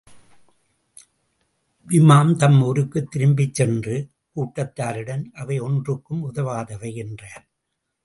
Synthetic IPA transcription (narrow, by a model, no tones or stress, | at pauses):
ʋɪmaːmt̪ɐmɔɾɯkːɯt̪ːɪɾɯmbɪt͡ʃːɛndrɯ | kuːʈːɐt̪ːaːɾɪɽɐnʔɐʋɐɪɔndrɯkːɯmʊðɐʋaːðɐʋɐɪɛndraːɾ